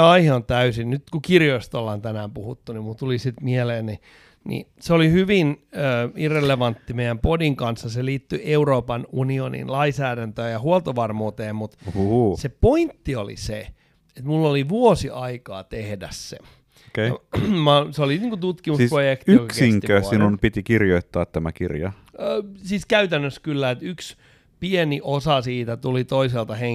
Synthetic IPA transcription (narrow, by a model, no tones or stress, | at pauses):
ɑiheont̪æysinnyt̪kukirjoist̪olːɑnt̪ænæːmpuhut̪ːunimult̪ulisit̪mieleːnni | nḭseolihyʋinøːirːeleʋɑnt̪ːimeijæmpodiŋkɑnsːɑseliːt̪ːyʔeuroːpɑnunionḭnlɑisæːɾænt̪øːjɑhuolt̪oʋɑrmuːt̪eːmmut̪sepoint̪ːiolḭse | et̪mulːoliʋuosiʔɑikɑ̰ːt̪ehdæssḛ | okejɑ̰mɑseoliniːŋkut̪ut̪kimusprojekt̪yijokɑkskeiŋkːiøːsinunpit̪ikirjoit̪ːɑːt̪t̪æmækirjɑ | øːsiːskæyt̪ænːøskylːæet̪yks | pieniʔosɑsiːt̪æt̪ulit̪oiselt̪ɑheŋ